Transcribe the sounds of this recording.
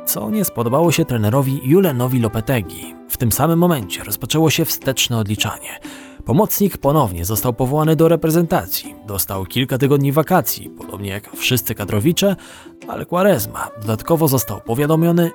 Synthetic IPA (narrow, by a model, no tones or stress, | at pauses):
t̪sɔ̰ɲɛspɔd̪ɔbawɔɕɛt̪ɾɛnɛɾɔvʲijulɛnɔvʲilɔpɛt̪ɛɡʲḭ | ft̪ɘmsamɘmːɔmɛɲt͡ɕɛɾɔspat͡ʂɛwɔɕɛfst̪ɛt͡ʂnɛɔd̪lʲit͡ʂa̰ɲɛ | pɔmɔt̪sɲikpɔnɔvɲɛ̰zɔst̪awpɔvɔwanɘd̪ɔɾɛpɾɛzɛnt̪at̪sʲjid̪ɔst̪awkʲilkat̪̬ɘɡɔd̪ɲivakat̪sʲjḭpɔd̪̥ɔbɲɛjakfʂɘst̪sɘkad̪ɾɔvʲit͡ʂɛ | a̰lɛkwaɾɛzma̰d̪ɔd̪at̪kɔvɔzɔst̪awpɔvʲjad̪ɔmʲjɔnɘ